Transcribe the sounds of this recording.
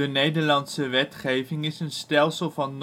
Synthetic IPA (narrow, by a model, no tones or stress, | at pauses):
ənejdəɹlɑntsəʋɛtχejvɪŋɪsənstɛlˠsəlˠvɑnː